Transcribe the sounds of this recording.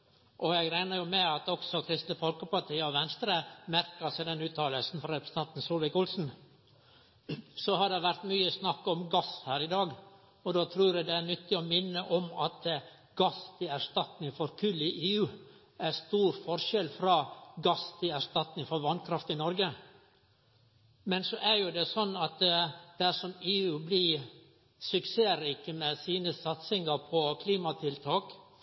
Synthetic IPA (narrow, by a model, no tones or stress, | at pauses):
ʔɔjɛɡɾæɪnəɾjʊmɛɑt̪ɔksɔkʰɾɪst̪ləfɔlkəpɑʈʰiːəɔʋɛnst̪ɾəmæɾkəsæɪd̪ɛnʉːt̪ʰɑːləlsn̩fɾɑɾɛpɾəst̪ɑnt̪n̩suːlʋɪkʊlsn̩ | sɔhɑɖɛʋæɾt̪myːəsnɑkːɔmɡɑshæːɾɪd̪ɑːɡ | ɔd̪oːt̪ʰɾuːɾɛd̪ɛæɳʏt̪ːɪɔmɪnːəʔɔmɑt̪ | ɡ̥ɑst̪ʰɪæɾʂt̪ɑt̪nɪŋfɔɾkʰʉlːɪʔeːʉː | æst̪uːɾfɔɾʂɛlfɾɑːɡɑst̪ʰɪæʂt̪ɑt̪nɪŋfɔɾʋɑnkʰɾɑft̪ɪnɔɾɡə | mɛnsɔʔæɾjʊd̪ɛsɔnːɑt̪d̪̥æʂɔmeːʉːblɪ | sʉkseːɾiːkəmɛsiːnəsɑt̪sɪŋɑɾpʰɔkʰliːmɑt̪ʰɪlt̪ʰɑːk